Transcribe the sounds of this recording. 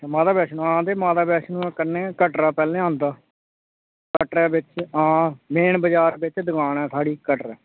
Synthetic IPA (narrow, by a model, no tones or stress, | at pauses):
emaːd̪aːbɛːʃnũãːd̪eːmaːd̪aːbɛːʃnũːɛ̃ːkəɾnẽːkəʈɾaːpɛːlẽːãːnd̪aː | kəʈɾɛːbɪt͡ʃãːmeːɳbəd͡ʒaːɾbɪt͡ʃd̪ʊkaːnɛːsʰaːɽiːkəʈɾɛː